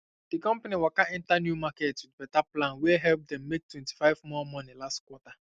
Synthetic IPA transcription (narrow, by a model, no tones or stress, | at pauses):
d̥ikɔ̃mpaniwakaɛ̃ntanjumaketwɪdbɛtaplãnwɛɦɛlp̚d̪ɛ̃mːek̚twɛ̃nti̥faɪvmɔmɔnilastkwɔta